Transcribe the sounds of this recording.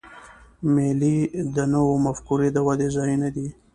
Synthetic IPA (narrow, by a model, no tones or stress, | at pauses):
melid̪ənəwomafkuɾed̪əwad̪ezɑjinad̪i